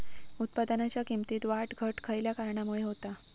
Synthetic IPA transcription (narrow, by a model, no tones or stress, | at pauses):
ut̪̚pad̪anat͡ɕjakimt̪iːt̪ʋaʈɡʱəʈkʰəjljakaɾɳamuɭeɦot̪a